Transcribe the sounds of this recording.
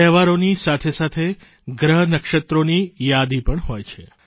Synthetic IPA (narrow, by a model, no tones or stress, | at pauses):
ɛɦʋaɾonisat̪ʰesat̪ʰe | ɡɾəɦənəkʃət̪ɾonijad̪ipəɳɦojt͡ʃʰe